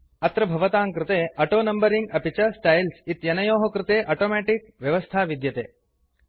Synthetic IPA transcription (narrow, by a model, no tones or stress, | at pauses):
ɐt̪ɾɐbʱɐʋɐt̪aːŋkɾɪt̪eːɐʈoːnɐmbɐɾiŋɡɐpit͡ʃɐsʈɐjlsit̪jɐnɐjoːɦokɾɪt̪eːʔɐʈoːmɛːʈikʋjɐʋɐst̪ʰaːʋid̪jɐt̪ḛː